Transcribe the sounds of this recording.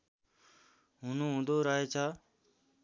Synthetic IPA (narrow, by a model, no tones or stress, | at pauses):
ɦũːnũːɦũːnd̪ʱoːɾaːɦeːt͡ʃʰaː